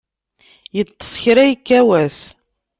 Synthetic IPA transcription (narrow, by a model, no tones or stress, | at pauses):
jət͡s̪ˤːə̥sˤçɾæjkːæwæs